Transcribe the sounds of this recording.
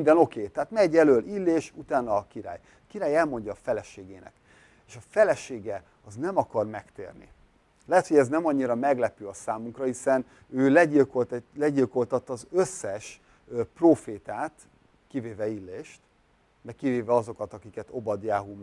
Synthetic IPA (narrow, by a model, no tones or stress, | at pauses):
nd̪ɛno̞keːt̪ɛɦaːt̪mɛɟɛløːlʔilːeːʃut̪aːnɒːkiɾa̰ːj | ɒkiɾaːjɛlmo̞ɲɟɒːfɛlɛʃeːɡeːnɛ̰k | eːʃɒfɛlɛʃeːɡɛ | ɒznɛmɒkɒrmɛkt̪ḛːrnḭ | lɛɦɛt̪ho̞ɟɛznɛmɒɲːiɾɒmɛɡlɛpyɒsaːmuŋkrɒhisɛn | øːlɛɟilkolt̪lɛɟilko̞lt̪ɒt̪ːɒzøsːɛʃ | proːfeːt̪aːt̪ | kiveːvɛilːeːʃt̪ | mɛkiveːvɛɒzo̞kɒt̪ɒkikɛt̪o̞bɒd̪jaːɦum